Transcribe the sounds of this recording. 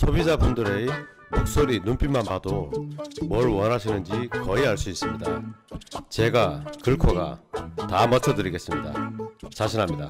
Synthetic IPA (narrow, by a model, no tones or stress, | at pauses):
sʰobid͡ʑabundɯɾe | mok̚s͈oɾinump͈imːanpado | mʌɭwʌnɦaɕʰinɯnd͡ʑikʌiaɭs͈uis͈ɯmɲida | t͡ɕe̞ɡakɯɭkʰʌɡa̰tamʌt͡ɕʰʌdɯɾiɡe̞s͈ɯmɲida̰t͡ɕaɕʰinɦamɲida